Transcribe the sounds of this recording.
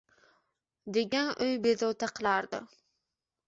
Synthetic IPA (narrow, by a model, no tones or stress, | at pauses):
d̪eɡʲɛnʔøjbezot̪ʰɑqʰəlˠɑɾd̪ɨ̰